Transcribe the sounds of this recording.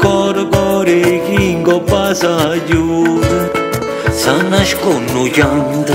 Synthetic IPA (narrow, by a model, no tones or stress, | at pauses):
kɔɾkɔɾekiŋɡopasad͡ʒu | sanɐʃkonud͡ʒand̪